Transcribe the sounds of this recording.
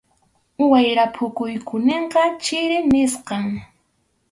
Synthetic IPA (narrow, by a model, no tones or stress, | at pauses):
ʊwajɾapʰʊkʊjkʊneɴqɑt͡ʃɪɾɪnɪsqɑŋ